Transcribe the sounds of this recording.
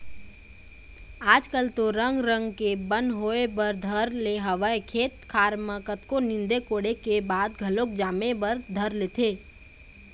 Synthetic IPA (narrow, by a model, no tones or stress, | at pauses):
aːd͡ʒkəlt̪oɾə̃ŋɡɾə̃ŋɡkebə̃nd̪ɦoːebəɾd̪ʱəɾleɦəʋəekʰeːt̪̚kʰaːɾməkət̪konɪ̃nd̪ekoːɽekebaːd̪ɡʱɐlok̚d͡ʒaːmebəɾd̪ʱəɾleːt̪ʰeː